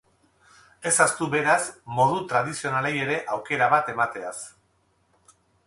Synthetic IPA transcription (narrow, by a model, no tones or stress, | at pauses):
e̞sast̪uβe̞ɾasmo̞ð̞ut̪ɾað̞isio̞naleje̞ɾe̞ʔawke̞ɾaβat̪e̞mat̪e̞as